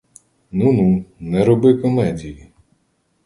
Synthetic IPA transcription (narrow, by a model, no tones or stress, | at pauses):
nununɛɾɔbɪkɔmɛdʲiji